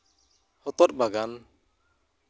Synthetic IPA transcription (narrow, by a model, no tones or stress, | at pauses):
hɔt̪ɔt̚baɡan